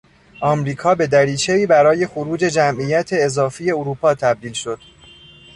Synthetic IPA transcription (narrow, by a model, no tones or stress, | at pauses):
ʔɒːmɾiːkʰɒːbe̞d̪æɾiːt͡ʃʰe̞iːbæɾɒːje̞xoɾuːd͡ʒe̞d͡ʒæmʔiːjæt̪ʰe̞ːzɒːfiːje̞oɾuːpʰɒːt̪ʰæb̚d̪iːlʃo̞d̪̥